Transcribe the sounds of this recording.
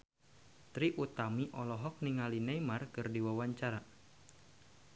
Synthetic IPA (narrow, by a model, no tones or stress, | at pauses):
t̪ɾiʔut̪amiʔɔlɔɦɔk̚niŋalinejmarkɨrdiwawaɲt͡ʃaɾa